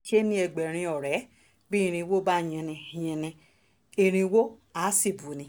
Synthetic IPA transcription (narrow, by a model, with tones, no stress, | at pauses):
ki˦e˦nĩ˦ɛ˧ɡ͡bɛ˨ɾ̃ĩ˧ɔ˨ɾɛ˨˦ | bi˦i˧ɾ̃ĩ˧wo˦ba˦˨ɲɛ̃˧nɛ̃˧˨jɛ̃˧nɛ̃˧ | i˧ɾ̃ĩ˧wo˦a˨˦si˦˨bu˨nĩ˨˧